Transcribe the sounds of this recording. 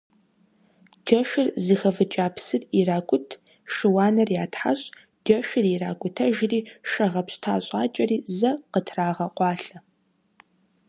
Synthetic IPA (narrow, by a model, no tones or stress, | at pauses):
d͡ʒɐʃɪrzɨxɐvɨt͡ʃʼaːpʰsɨriraːkʷʼʊtʰ | ʃɨwaːnɐrjaːtħa̰ɕʼ | d͡ʒɐʃɪriraːkʷʼʊtʰɐʒɪriːʃɐʁɐpɕtʰa̰ːɕʼaːt͡ʃʼɐriːzɐqətʰraːʁɐqʷʼɑːɬɐ